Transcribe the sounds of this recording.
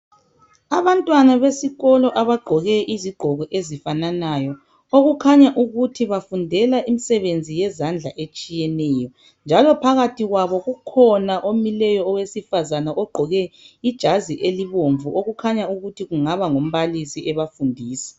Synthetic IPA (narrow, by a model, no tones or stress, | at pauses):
aβantʼwanaβesiɣɔlɔʔaβaɡ͡ǃʱɔɣɛʔiziɡ͡ǃʱɔɣɔʔezifananajɔ | oɣukʰaɲaʔuɣutʰiβafundʱɛlaʔimisɛβend͡zʱijɛzand͡ɮʱaʔet͡ʃʼijɛnɛːjɔ | nd͡ʒʱalɔpʰaɣatʰiɣwaβɔɣukʰɔnaʔomilɛjɔːwesifazanaʔɔɡ͡ǃʱɔɣɛid̥ʒ̥ʱaziʔeliβoɱvuʔoɣukʰaɲauɣutʰiɣuŋaβaŋom̩βalisiɛβafundʱiːsɛ̥